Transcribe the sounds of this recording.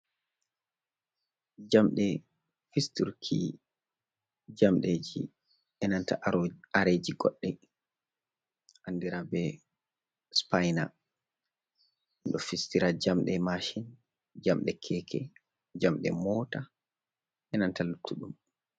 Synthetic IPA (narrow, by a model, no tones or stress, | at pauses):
d͡ʒamɗɛ | fistuɾkʰi | d͡ʒamɗed͡ʒḭ | ʔɛnantaaɾed͡ʒiɡɔ̰ɗːɛ | ʔandiɾabɛ | spajna̰ | nɗɔfistiɾad͡ʒamɗɛmaʃin | d͡ʒamɗɛkʰɛkʰɛ | d͡ʒamɗɛ̰mɔːta | ʔɛnantalutʰːuɗum